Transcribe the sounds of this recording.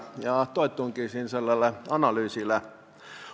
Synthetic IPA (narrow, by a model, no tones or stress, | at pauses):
jɑt̪oˑit̪ːˑuŋkiːsiːnselːɑlːɑɑnɑlyːsilːˑæ